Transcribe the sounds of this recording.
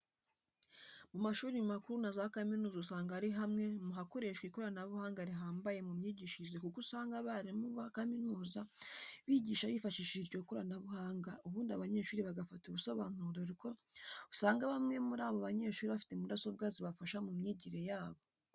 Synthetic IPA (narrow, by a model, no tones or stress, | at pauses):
mumaʃuːɾimakuɾunazaakaminuːzausaːŋɡaaɾiɦamŋe̞muɦako̞ɾe̞ʃkwiko̞ɾanaβuhaːŋɡaɾiɦaːmbaje̞mumɲiːɟiʃizekukusaːŋɡaβaɾimuβakaminuːzaβiɟiːʃaβiːfaʃiʃiɾɟokoɾanaβuhaːŋɡaʔuβuːndiaβaɲe̞ːʃuːɾiβaɡafatuβuso̞βaːnuɾoɾiko̞usaːŋɡaβamŋe̞muɾaːβo̞βaɲe̞ʃuːɾiβafi̥temudasob̚ɡaːziβafaʃamumɲiɟiɾe̞jaːβo̞